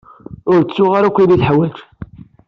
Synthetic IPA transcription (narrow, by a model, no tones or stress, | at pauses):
ʊɾt͡sːʊʁaɾækʷːiliθħwæʒ